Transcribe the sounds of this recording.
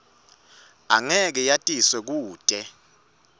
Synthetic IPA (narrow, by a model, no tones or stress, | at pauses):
a̰ŋɛk̬ɛjatʼiswɛk̬uːtʼɛ